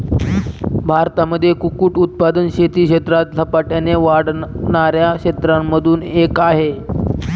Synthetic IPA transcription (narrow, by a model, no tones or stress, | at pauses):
bʱaɾt̪aməd̪ʱːjekukuːʈut̪̚pad̪ənɕet̪iːkɕet̪ɾat̪ləpaʈjaneʋaɽɳaɾjakɕet̪ɾamːəd̪ʱuːnekaɦe